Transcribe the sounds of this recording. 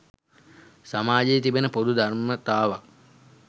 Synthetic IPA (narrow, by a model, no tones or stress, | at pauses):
samaːd͡ʒejːt̪ibenəpod̪ud̪armət̪aːʋa